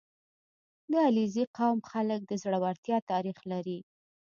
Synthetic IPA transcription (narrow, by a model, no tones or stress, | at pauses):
d̪əaliziqawmxalək̚d̪əzɽawaɾt̪jɑt̪ɑɾixlaɾi